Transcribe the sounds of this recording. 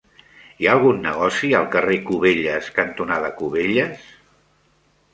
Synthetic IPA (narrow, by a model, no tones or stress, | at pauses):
iaːlˠɣ̞unːəɣ̞ɔsiəlˠkərekuβeʎəskənt̪unaðəkuβeʎəs